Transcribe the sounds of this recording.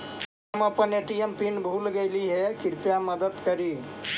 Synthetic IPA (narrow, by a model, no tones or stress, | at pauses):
aməpəneʈiempinbʱulɡejliɦekiɾpjaməd̪ət̪kəɾi